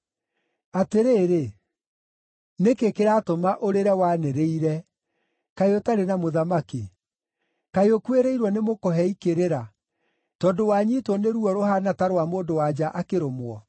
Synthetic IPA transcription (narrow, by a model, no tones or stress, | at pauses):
ateɾeːɾe | nekekeɾaːtomaʔoɾeɾɛwaneɾeiɾɛ | kaeotaɾenamoðamaki | kaeokweɾeiɾwɔnemokɔɦɛikeɾeɾa | tɔːdowaɲitwɔneɾuɔɾoɦanataɾowamoːndowad͡ʑaʔakeɾomwɔ